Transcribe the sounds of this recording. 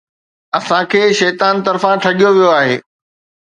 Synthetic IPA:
ɐsãkʰeːʃɛːt̪aːnt̪ɐɾfãʈʰɐɠijoʋijoaːɦḛː

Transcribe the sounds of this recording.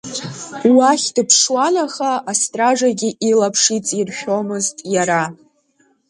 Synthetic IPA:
waχʲdɨpʰʂwanaχaːstʼraʐaɡʲiʔilapʰʂit͡sʼirʃʷᶣo̞mɨztʼjaɾa

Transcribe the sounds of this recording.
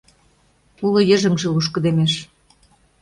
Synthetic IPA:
ulŏjə̆ʒə̆ŋʒĕluʃ̬kɤ̆d̪emeʃ

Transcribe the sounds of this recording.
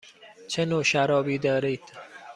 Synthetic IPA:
t͡ʃʰenoːʃæɾɒːbiːd̪ɒːɾiːd̪̥

